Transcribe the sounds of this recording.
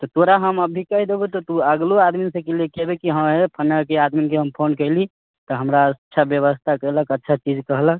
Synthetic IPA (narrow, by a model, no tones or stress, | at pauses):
t̪ɔt̪oɾaɦəməbʱikəɦid̪ebɛt̪ɔt̪uəɡload̪minsə̃keliekɛbekiɦə̃mepʰənəkead̪minkeɦəmpʰonkəɪli | t̪ɔɦəmɾaətːʃʰabjəβəst̪ʰakəɪləkətːʃʰat͡ʃid͡ʒkəɦlək̚